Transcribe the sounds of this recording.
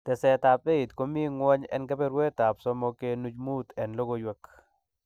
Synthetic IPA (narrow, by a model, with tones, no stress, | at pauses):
t̪ɛ˨sɛ˨t̪a˨pe˦i˨t̪ko˦mi˦ŋwɔ˦ɲɛ̰˦nka˦pɛ˦ɾwɛ˦t̪a˨psɔ˦mɔ˨ke˦nu˦d͡ʒmu˦t̪ɛ˨nlo˦ɡo˦jwɛ˨k